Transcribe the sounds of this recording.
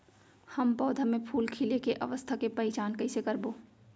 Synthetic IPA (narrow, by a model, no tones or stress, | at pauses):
həmpɔːd̪ʱamẽpʰuːlkʰilekeʔɐ̰ʋəst̪ʰakepɐɪt͡ʃaːnkɐɪsekɐɾboː